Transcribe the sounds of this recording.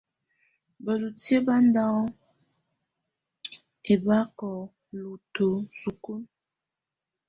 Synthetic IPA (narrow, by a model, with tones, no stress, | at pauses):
bə˨lu˨tje˦ba˦nda˦ | e˨ba˦kɔ˨ | lu˨to˨su˨ku˦